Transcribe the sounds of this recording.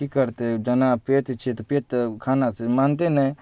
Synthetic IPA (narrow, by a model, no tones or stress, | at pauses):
ikɐɾt̪ed͡ʒɐnapeːt̪t͡ʃʰit̪peːt̪kʰaːnat͡ʃemaːnt̪enɛ̃